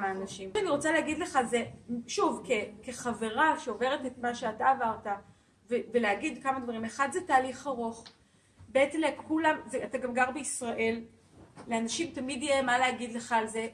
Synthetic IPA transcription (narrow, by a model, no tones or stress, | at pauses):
maːnaʃimaniʁo̞t͡saleaɡid̪leχazeʃuvkeke̞χave̞ʁaʃeove̞ʁetetmaʃeataːvaʁta | veveleaɡid̪kamadvaʁimeχadzetaːliχaʁoχ | beet͡semlekulamzeataɡamɡaʁbeisʁaʔe̞lː | eanaʃimtamid̪jjemaleaɡid̪le̞χalze̞